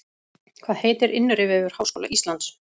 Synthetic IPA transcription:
kʰvaːðheːjt̪ɛɾʔɪnːʏɾɪvɛvʏɾ̥hawsko̰ːwla̰ʔist̪lant̪s

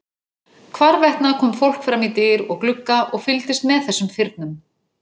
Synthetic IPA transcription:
kʰvaɾvɛht̪nakʰɔːmfowl̥kfɾamit̪ɪɾɔɣklʏkːaʔɔɣfɪlt̪ɪst̪mɛðθɛsːʏmfɪɾt̪̚nʏm

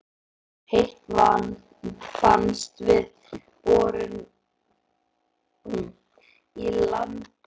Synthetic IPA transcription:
hejht̪van | fa̰nst̪vɪð | pɔːɾʏn | ilant̪

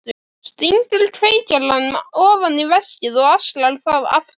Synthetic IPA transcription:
st̪iŋkʏlt̪ʰɾeːjcaɾlanmɔːvanːɪvɛscɪðɔɣaslalθaða̰f

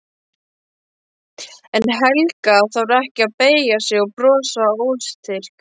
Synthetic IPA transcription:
ɛnɦɛlkaθawɾɛhcɪaðpeːjjasjɛɣɔpɾɔːsaowlst̪ʰɪr̥k

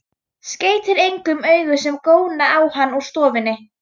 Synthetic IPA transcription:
sceːjt̪ɪɾejŋkʏmœːɥɣʏsɛmkoːwnaawhanːɔɣst̪ɔːvɪnːɪ

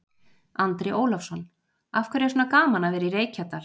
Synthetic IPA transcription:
ant̪ɾeʔoːwlafsɔnː | afkʰɛɾjɛsɔnakaːmanavɛːɾireːjcʰat̪aɾ

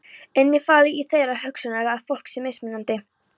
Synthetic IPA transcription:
ɛnːɪfaːlɪiθejɾahœksʏnaɾɪaðfowl̥ksɛmːejsmɪnːant̪ɪ

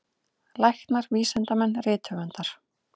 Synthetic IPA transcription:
lajxt̪naɾviːsɛnt̪amɛnːrɪːt̪ʰœɣɛnt̪aɾ̥

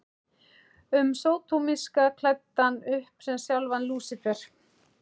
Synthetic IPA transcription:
ʏmsoːwt̪ʰumiskakʰlat̪ːanʏhpsɛmsjawlvanluːsɪfɛɾ̥

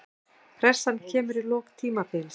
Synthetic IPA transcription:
fɾɛr̥sancʰɛːmʏɾilɔːɣt̪ʰiːmapɪls

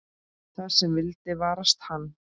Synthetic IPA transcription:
θaðsɛmvɪlt̪ɪvaːɾast̪hanː

